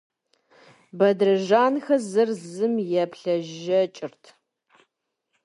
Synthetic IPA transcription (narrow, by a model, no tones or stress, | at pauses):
bɐdrɐʒaːnxɐzɨrzɨmjɛpɬɐʒɐt͡ʃʼɪrtʰ